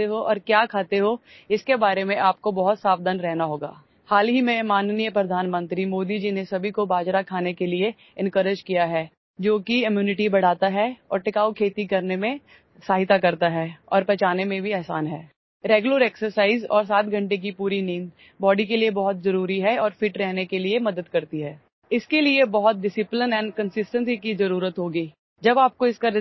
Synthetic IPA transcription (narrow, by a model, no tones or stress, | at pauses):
t̪eɦoʔɔ̰ːɾkjaːkʰaːt̪eɦo | ɪskebaːɾemẽʔaːp̚kobɐɦʊt̪saːbd̪ənɾɛɦnaɦoːɡa̰ː | haːlɦimẽmaːnnijəpɾɐd̪ʱaːnmə̃nt̪ɾimoːd̪id͡ʒinesɐbʱikobaːd͡ʒɾakʰaːnekelie | ɪ̃nkəɾɪd͡ʒkijaɦɛː | d͡ʒoːkiɪmjuːnɪʈibɐɽ̤aːt̪aɦɛɔːɾʈɪkaːukʰeːt̪ikɐɾnemẽ | saːɦɪt̪akɐɾt̪aɦɛːɔ̰ːɾpɛːt͡ʃaːnemẽbʱiɛːɦsaːnɦɛː | ɾɛːɡjʊləɾɛːksəɾsaːɪzɔːɾs̬aːt̪̚ɡʱɐ̃ɳʈek̬ipuːɾiniːn | bɔːɖikeliebɔɦʊt̪zɐɾuːɾiɦɛɔːɾfiːʈɾɛɦnekeliemɐd̪əd̪kɐɾt̪iɦɛː | ɪskeliebɐɦʊt̪̚ɖɪsɪplənɛ̃ːnɖkə̃nsɪsʈə̃nsikizɐɾuːɾət̪ɦoːɡiː | d͡ʒɐbaːp̚koɪskaɾ